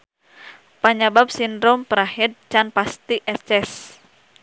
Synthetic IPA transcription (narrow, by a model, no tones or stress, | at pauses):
paɲabap̚sindɾɔmpəɾaɦɛd̪̚t͡ʃanpast̪iʔɛst͡ʃɛs